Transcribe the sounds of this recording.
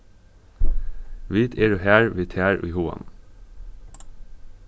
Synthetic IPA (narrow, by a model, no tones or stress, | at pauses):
ʋiːt̪ʰeːɹʉhæːɹʋiːt̪ʰhæːɹʔʉ̰ːhuːɑ̰n